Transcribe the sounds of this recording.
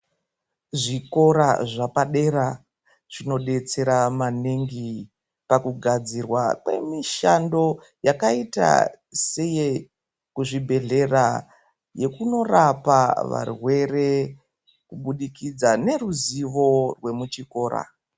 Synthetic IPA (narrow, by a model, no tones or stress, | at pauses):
ʐiko̞ɾaʐapaɗe̞ɾa | ʐ̥ino̞ɗe̞t͡se̞ɾamaniŋɡi | pakuɡʱad͡zirwakwe̞̰miʃando̞ | jakaita̰ | se̞je | kuʐibʱe̞ɮe̞ra | je̞kuno̞rapaʋa̰rwe̞re̞ | kuɓuɗikid͡zane̞ruziʋo̞rwe̞mut͡ʃiko̞ːɾa̰